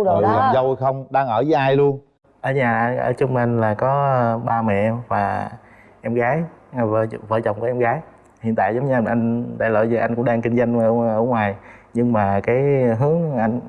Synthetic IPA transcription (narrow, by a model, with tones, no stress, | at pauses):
la˨˩zə˧wjxə˧wŋ͡mɗaː˧ŋʔəː˧˩zəː˨˦jʔaː˧jlu˧ən | ʔəː˨˩ɲaː˨˩ʔʔəː˧˩t͡ɕʊ˧ŋ͡mma˧˩nlaː˨˩kɔ˨˦˧ɓaː˧mɛ̰˧˨ʔɛ˧mvaː˨˩ | ʔɛ˧mɣaː˨˦jvvəː˧˩t͡ɕɔ˨˩wŋ͡mku˧˩˦ʔɛ˧mɣaː˨˦j | hi˧˨ənt̪a̰ː˧˨jzə˨˦wŋ͡mɲɨ˧ʔa˧jŋɗ̪a̰ː˧˨jlo̰˧˨jzɨ˨˩ʔa˧jŋkʊ̰˧˥ŋ͡mɗaː˧ŋkï˧ŋ̟za˧jŋ˧ʔəː˧˩ŋwaː˨˩jɲɨ˧ŋmaː˨˩kaː˨˦jɦɨ˨˦əŋʔa˧jŋ